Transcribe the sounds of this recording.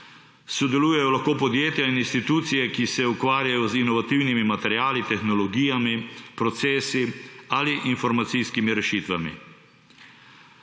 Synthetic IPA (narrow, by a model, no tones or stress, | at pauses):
sɔd̪ɛluːjɛjɔlaxkoːpɔd̪jeːt̪jaininst̪it̪uːt̪sijɛkisɛukʋaːɾjajɔzinɔʋat̪iwnimimat̪ɛɾjaːlit̪ɛxnɔlɔɡiːjamipɾɔt̪seːsialiʔinfɔɾmat̪sijskimiɾɛʃiːt̪ʋamḭ